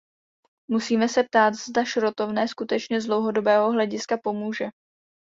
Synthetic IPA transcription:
musiːmɛsɛp̚t̪aːt̪zd̪aʃɾo̞t̪o̞vnɛːskut̪ɛt͡ʃɲɛzdlo̞wɦo̞do̞bɛːɦo̞ɦlɛɟɪskapo̞muːʒɛ

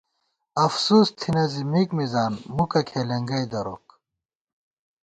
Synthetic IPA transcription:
ɐfsuːst̪ʰinɐzimikmizaːnmukɐkʰeːlɐŋɡɐjd̪ɐɾo̰ːk

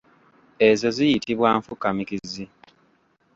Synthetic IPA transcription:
e̞zo̞zijitiβwaːɱfukːamikizi

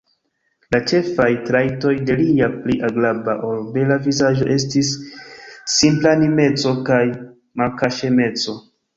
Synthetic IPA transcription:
lat͡ʃe̞fajtɾajto̞jde̞liapliʔaɡlabaʔo̞lbe̞lavizaʒo̞ʔe̞s̬tisː | implanime̞t͡so̞kaj | malkaʃe̞me̞t͡so̞

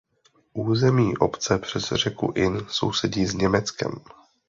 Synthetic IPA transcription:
ʔuːzɛmiːʔopt͡sɛpr̝̥ɛzr̝ɛkṵʔɪnso̞̰wsɛɟiːzɲɛmɛt͡skɛ̰m

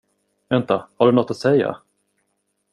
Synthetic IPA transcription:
vɛnt̪ahaɖɵnɔt̪ːat̪sɛjːa̰

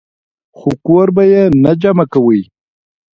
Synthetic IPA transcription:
xokoɾbajenad͡ʒamakawəj

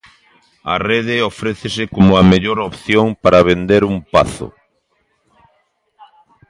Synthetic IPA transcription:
ɐ̰reðɪofɾeθesɪkomʊameʎoɾopθjoŋpaɾaβ̞end̪eɾumpa̰θʊ̰

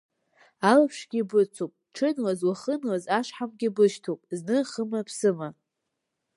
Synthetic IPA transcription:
alapʰʂɡʲibɨt͡sʰopʼʈ͡ʂʰɨnwazwaχənwazaʂħamɡʲɪbɨʃtʰopʼznɨχəmapʰsɨma

